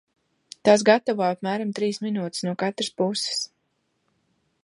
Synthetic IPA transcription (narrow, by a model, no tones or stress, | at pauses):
t̪aːs̬ɡat̪avaːapmæːɾamt̪ɾiːsminuːt̪ɪ̥snuɔkat̪ɾɨspusɪ̥s